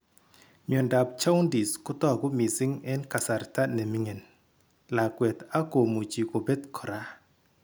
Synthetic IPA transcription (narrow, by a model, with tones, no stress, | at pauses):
ɲ˨ɔ˨nda˨p̚t͡ʃa˦wndi˨skʊ˦t̪ɔ˦˨ɡʊ˦mi˨sɪ˦ŋɛ˦nka˨sa˨rta˦ne˨mi˦ŋe˨n | la˨kwe˨t̪a˦ko˨mu˨t͡ʃi˨ko˨be˦t̪kʰɔ˨ɾa˦